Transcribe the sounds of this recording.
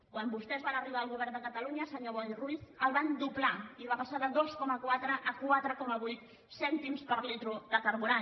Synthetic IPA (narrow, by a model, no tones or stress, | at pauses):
kwambust̪ɛzβanəriβaəlˠɣuβɛrnd̪əkət̪əluɲəsəɲoβɔjriθəlˠβand̪uplaiβapəsaðəðoskɔməkwat̪ɾəʔːkwat̪ɾəkɔməβujt̪ | sɛnt̪imspəɾlit̪ɾuðəkəɾβuɾa